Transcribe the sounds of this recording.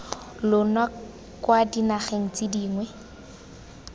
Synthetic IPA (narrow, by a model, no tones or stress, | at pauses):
lʊnwa | kwadinaχeŋ̩t͡sʼɪdiːŋwɛ